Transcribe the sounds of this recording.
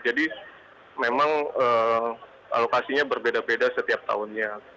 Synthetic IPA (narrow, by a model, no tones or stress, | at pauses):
d͡ʒadi | memaŋəː | a̰lokasiɲabərbedabedasət̪iap̚t̪a̰ʊnɲa